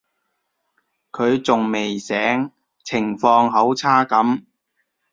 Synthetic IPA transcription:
kʰɵ˨˧ɥt͡sʊ˨ŋme˨jsɛː˨˥ŋ | t͡sʰɪ˨˩ŋfɔː˧ŋɦo˨˥wt͡sʰaː˥kɐ˨˥m

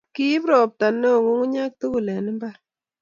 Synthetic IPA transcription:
ki˦pɾɔ˨p̚ta˨nːo˦˨ku˦ŋu˦ɲa˦k̚tu˦ku˨lɛ˨nɨ˦mba˦

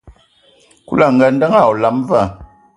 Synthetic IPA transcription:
kṵ˦la˨ŋɡə˨n˦də˦ŋa˦˨ɔ˨la˨m˦va˦˨

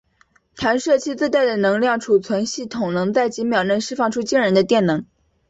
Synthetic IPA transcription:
t̪ʰa˧˥nʂɤ˥˧t͡ɕʰi˥t͡sɹ̩˥˧t̪a˥˩ɪd̪ə˩nɤ˧˥ŋljɑ˥˩ŋʈ͡ʂʰu˨˩t͡sʰwə˧˥nɕi˥˩t̪ʰʊ˨˩ŋnɤ˧˥ŋt͡sa˥˩ɪt͡ɕi˧˥mjɑ˨˩ʊɻə˥˩nʂɻ̩˥fɑ˥˩ŋʈ͡ʂʰu˥t͡ɕi˥ŋɻə˧˥nd̪ə˧t̪jɛ˥˩nɤ˧˥ŋ

